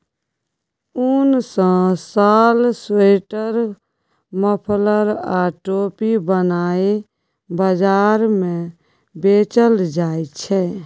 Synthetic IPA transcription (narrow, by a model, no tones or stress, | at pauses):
unsə̃saːlseʈəɾ | məpʰləɾaʈopibənae | bəd͡ʒaːɾmẽ | bet͡ʃəld͡ʒaːet͡ʃʰɛ